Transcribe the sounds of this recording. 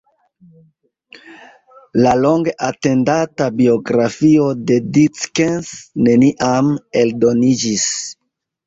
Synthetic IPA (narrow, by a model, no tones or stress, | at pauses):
lalo̞ŋɡeʔate̞ndatabio̞ɡɾafio̞de̞dit͡skensne̞niʔame̞ldo̞nid͡ʒis